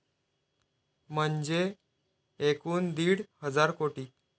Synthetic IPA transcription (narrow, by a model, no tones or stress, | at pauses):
m̤əɳd͡ʑe | ekuːnd̪iːɽhəd͡zaɾkoʈiː